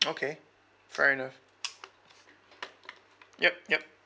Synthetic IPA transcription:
oʊkʰeɪ | v̥ɛɹiɨnʌf | jɛp̚jɛp̚

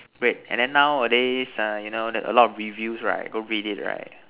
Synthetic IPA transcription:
ɡ̥ɹet̚ɛ̰̃ndɛ̃nːaʊədesʌjunodɛə̰lɔtɔfɹivjusɹa̰ɪt̚ɡoɹidit̚ɹa̰ɪt̚

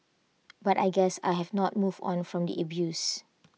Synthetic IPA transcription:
batajɡɛsa̰jɦɛvnɔt̚muvdɔ̰̃nfɹɔ̃mdḭʔəbjus

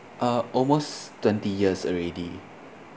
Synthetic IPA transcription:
ʔaʔɔlmostːwɛ̃ntijiəsəɹɛdi

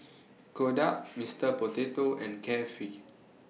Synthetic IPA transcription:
kodaʔmistəpotetoɛ̰̃nkʰɛfi

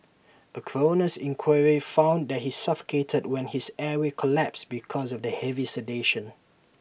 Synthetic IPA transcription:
əkʰɹonəsɪ̃ŋkʰwaɹifãʊ̃ndɛt̚hisʌfə̥kʰetʰədwɛ̃nhizɛwekʰɔlæpsbikʰɔzɔvdəhɛvisɛdeʃə̃n

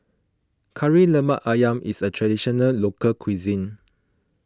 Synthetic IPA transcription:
kʰaɹiləmaʔajãmʔḭsətʰɹadiʃɔnəllokəlkʰwizĩn

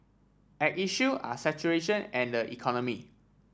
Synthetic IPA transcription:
ɛʔ̚iʃua̰sɛt͡ʃuɹeʃə̃nɛ̃ndəʔḭkʰɔnɔmi

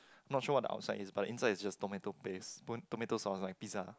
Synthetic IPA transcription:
ãj̃mnɔt̚ʃuəwɔt̚də̰ʔa̰ʊtsaɪdisbat̚dəʔĩnsaɪdisd͡ʒastometopesptometosɔ̃nslaɪjk̚piza

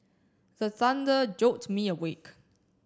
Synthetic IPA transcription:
ðəθãndəd͡ʒok̚tmiəwek

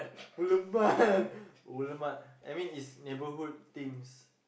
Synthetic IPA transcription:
buləma | uləmat̚ʔajmĩnisnebəɦud̚t̪ĩŋs

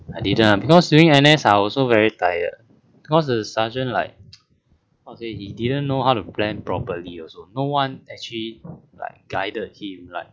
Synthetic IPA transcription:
ajdidə̃nabikɔsduĩŋɛnɛsaɔsovɛɹitajə̰d̚ | b̥ikɔs̬dəsad͡ʒə̃nla̰ɪk̚ | ɔsehididə̃nːohaʊtuplɛ̃npɹɔpəliɔsonowãnɛk̚t͡ʃlila̰ɪk̚ɡ̥aɪdəd̚hĩmla̰ɪk̚

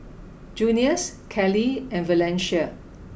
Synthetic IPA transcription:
d͡ʒũniəskʰɛliɛ̃nvəlɛ̃nʃa

